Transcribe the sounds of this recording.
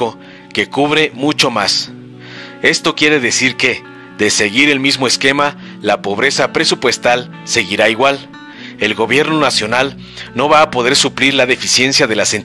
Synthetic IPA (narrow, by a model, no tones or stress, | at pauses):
o | ke̞kuβɾe̞mut͡ʃo̞mas | e̞st̪o̞kje̞ɾe̞ðe̞siɾke̞ | ðe̞se̞ɣiɾe̞lmizmo̞e̞ske̞ma | lapo̞βɾe̞sapɾe̞supwe̞st̪al | se̞ɣiɾaiɣwal | e̞lɣo̞βje̞ɾno̞nasjo̞nal | no̞βaːpo̞ð̞e̞ɾsupliɾlaðe̞fisje̞nsjaðe̞lasen